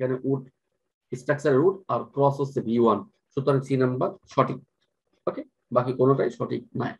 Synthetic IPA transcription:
kɛneʔuʈ | isʈaksɐɾeɾuʈaɾkɾɔsosebijuan | ʃut̪ɔɾaŋsʰinɐmbɐɾʃʰɔʈik̚ | oke | bakikonoʈajʃʰɔʈik̚na̰j

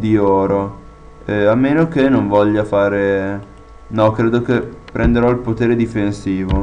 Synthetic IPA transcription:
d̪iɔːɾo | ɛamːeːnokenoɱvɔʎːafaːɾe | nɔkɾeːd̪ok̟epːɾʔend̪eɾɔilpot̪eːɾed̪ifensiːvo

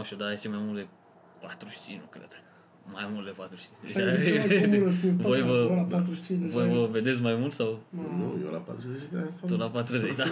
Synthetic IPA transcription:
ʃt̪ʲud̪aeʃt͡ʃemajmult̪d̪e | pat̪ɾuʃt͡ʃḭnukɾḛd̪̥ | majmult̪d̪epat̪ɾuʃt͡ʃint͡ʃd̪eaelkvojvəapat̪ɾuʃt͡ʃĩevojvəved̪e̞s̬majmult̪saw̪o̰jḛla̰pa̰t̪ɾuzet͡ʃat̪olapat̪ɾuzet͡ʃd̪a

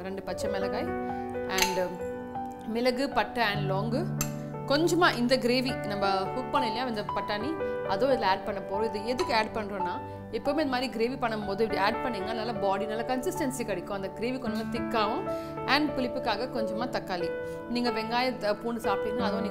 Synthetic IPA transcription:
ɾɛɳɖɯpɐt͡ʃːɐmɛlɐɣaːjɐɳɖ | mɪlɐɣɯpɐʈːɐɐɳɖloːŋɡɯ | kɔɲd͡ʒɐmaːʔɪnd̪ɐɡɪɾeːʋinɐmːɐhʊk̚pɐɳːɪlɐjãːɪnd̪ɐpɐʈːaːniɐðõːɪðɪlaːɖ̚pɐɳːɐpoːɾʊ̃ɪðɯɛðɯkːɯaːɖpɐɳːɾõːnːaː | ɪpːoːmeːɐnɐmːd̪ɾiɡɪɾeːʋipɐɳːɐmpoːðɯ̃ɪpːɐɽiaːɖ̚pɐɳːiːŋɡɐnaːlɐbaːɽinaːlɐkɐnsɪsʈɐnsikɐɽɪkːʊ̃ɐnd̪ɐɡɪɾeːʋikɔɲd͡ʒɐmaːt̪ɪkːaːʋʊ̃ | ɐɳɖpʊlɪpːɯkːaːɣɐkɔɲd͡ʒɐmːaːt̪ɐkːaːli | niːŋɡɐʋɛŋɡaːjɐpuːɳɖɯsaːp̚ʈiːŋnːaɐðõniː

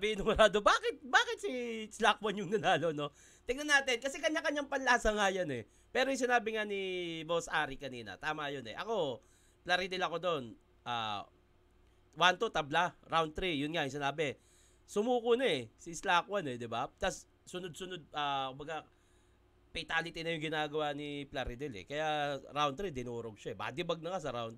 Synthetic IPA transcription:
bɪnʊmɾaːd̪obaːkɪt̪̚baːkɪt̪̚sislakwɐnjʊŋnɐnaːlo̞no̞ | t̪ɪŋnɐnaːt̪ɪnkɐsɛkɐɲːakɐɲːaŋpɐnlɐʔsɐŋaːjanɛ̰ | pɛːɾojŋs̬ɪnaːbɪŋanibosʔaːɾikɐniːnɐ̰t̪aːmɐjonɛ̰ʔɐ̰ko̞ | plɐɾid̪ɪlɐko̞d̪on | ʔa̰ː | want̪ot̪ɐblaɾawn̚t̪ɾijʊnŋajɐŋsɪnaːbɛ | sʊmuːkʊnɐɛsislaːkwanɛd̪ɪbapt̪ɐsː | ʊnod̪̚sʊnod̪̚aːkʊmbɐɡa | pɛt̪aːlɪt̪ɪnɐjʊŋɡɪnaːɡɐwanɪplaɾɪd̪ɛlɛ̰kɐjaɾawnt̪ɾid̪ɪnuːɾoɡ̚ʃaɛba̰d̪ɪbɐɡ̚nɐkasɐɾawnt̪

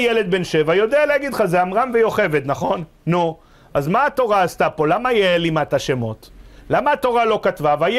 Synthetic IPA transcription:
jele̞d̪̚benʃevajo̞d̪ealeaɡid̪χazeamʁamvejo̞χe̞vet̪naχo̞nːu | ʔazmaːt̪o̞ʁaːst̪apo̞lamajelimat̪aʃemo̞t̪lamaːt̪o̞ʁalo̞katvavaj

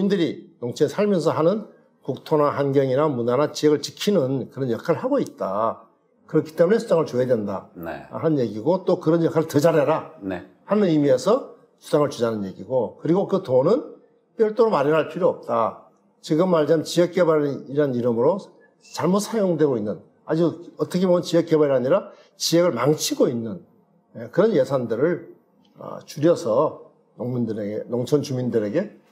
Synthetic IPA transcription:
mindɯɾinoŋt͡ɕʰesʰaɭmjʌns̬ʰʌɦanɯn | kuk̚tʰonaɦanɡjʌŋiɾamunanat͡ɕiʌɡɯɭt͡ɕi̥kʰinɯnkɯɾʌnjʌkʰaɾɯɭhaɡoit̚t͈a | kɯɾʌkʰi̥t͈e̞mune̞sʰud͡ʑaŋɯɭt͡ɕojedwenda̰n̰hanɯnje̞ɡiɡot͈okɯɾʌnjʌkʰaɾɯɭtɯd͡ʑaɾaɾane | hanɯnimiesʰʌ | sʰu̥d͡ʑaŋɯɭt͡ɕud͡ʑanɯnje̞̰ɡiɡokɯɾiɡokɯtonɯn | p͈jʌɭt͈oɾomaɾiɾɦaɭpʰiɾoʌp̚t͈a | t͡ɕiɡɯmːaɭd͡ʑant͡ɕijʌk̚k͈ebaiɾɦaniɾɯmɯɾo | t͡ɕaɭmusʰajoŋdwe̞ɡoinːɯn | ad͡ʑuʌt͈ʌkʰebomɯnt͡ɕijʌk͈ebaɾiɦaɲiɾa | t͡ɕijeɡɯɭmaŋt͡ɕʰiɡoinːɯn | jekɯɾʌnje̞sʰandɯɾɯɭ | ʌ̰t͡ɕuɾjʌsʰʌ | noŋmindɯɾeɡenoŋt͡ɕʰʌnt͡ɕumindɯɾe̞ɡe̞

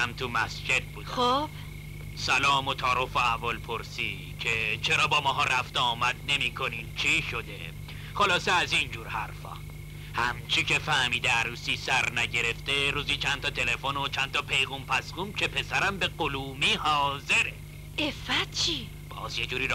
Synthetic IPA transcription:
æmt̪ʰumæsd͡ʒe̞d̪̚buːd̪xob̥ | sælɒːmo̞t̪ʰɒːɾofoævɔlpʰoɾsiː | cʰe̞t͡ʃʰeɾɒːbɒːmɒːɦɒːɾʔæft̪eɒːmæd̪̥ne̞miːkʰo̞niːnt͡ʃʰiʃo̞d̪e̞̰ | χolɒːseæzind͡ʒuːɾhæɾfɒ̰ː | hæmt͡ʃʰiːcʲʰe̞fæhmiːd̪eæɾuːsiːsæɾnæɟe̞ɾe̞ft̪e̞ɾuːziːt͡ʃʰænt̪ʰɒːt̪ʰe̞le̞fono̞t͡ʃʰænt̪ɒːpʰe̞jɣumpʰæsɣuːmcʲʰe̞pʰe̞sæɾæmbe̞ɢoluːmiːhɒːze̞ɾe | efæt̪̚t͡ʃʰi | b̥ɒ̰ːzje̞d͡ʒuːɾiːɾ

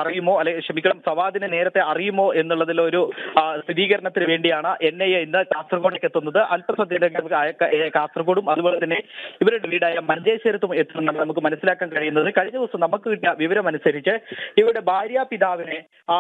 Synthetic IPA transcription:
ɐrijumo̞ːɐlːekʂɐmikʲːɐɳɐmsɐʋaːd̪inɨne̞ːɾɐt̪ːe̞ɐrijumo̞ːʔe̞nːuɭːɐðilːooɾust̪ʰiðiːɣɐɾɐɳɐt̪ːinɨʋe̞ːɳɖijaːɳɨʔe̞nːejeinːɨkaːst̪rɐɣoːɽokːe̞t̪ːunːɐðɨʔɐlpɐsɐd̪indekːekaːst̪rɐɣoːɽumɐðuboːɭet̪ɐnːe̞iʋɐɾuuɽeʋiːɽaːjɐmɐnɐd͡ʑeːɕɐɾɐt̪̬ːume̞t̪ːiʈːuɳːɖɐɳnɐmukːɨmɐnɐsːilaːkːaːnkɐɻijunːɐðɨkɐɻiɲːɐðiʋɐsɐmnɐmukːɨʋiʈːiɲɐʋiʋɐɾɐmɐnusɐɾit͡ɕːɨiʋɐɾuɽe̞bʱaːɾjapiðaːʋine

